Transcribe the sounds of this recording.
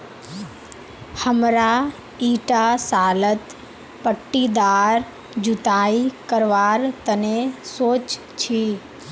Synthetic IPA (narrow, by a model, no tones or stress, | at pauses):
həmɾa | iːʈasaːlət̪ | pəʈːid̪aːɾ | d͡ʒʊt̪aːikəɾʋaːɾt̪ənesoːt͡ʃ | t͡ʃʰi